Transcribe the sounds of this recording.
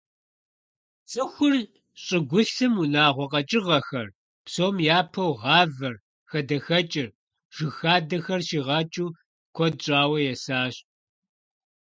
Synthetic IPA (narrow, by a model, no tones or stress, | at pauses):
t͡sʼɨxʷʊr | ɕʼɪɡʷʊɬɨmunaːʁʷɔqʼɐt͡ʃʼɪʁɐxɐr | psoːmjaːpʰɐwʁɑːvɐr | xɐdɐxɐt͡ʃʼɪr | ʒ̥ɪxaːdɐxɐrʃiːʁɐt͡ʃʼuː | kʷʰɔd̚ɕʼaːwɐjɛsaːɕ